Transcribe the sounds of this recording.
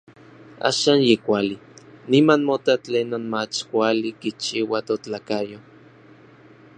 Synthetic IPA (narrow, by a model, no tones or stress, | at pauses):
a̰ːʃaːnjekʷalinimanmot̪at͡ɬeːnonmat͡ʃkʷalikit͡ʃiwat̪ot͡ɬaːkajo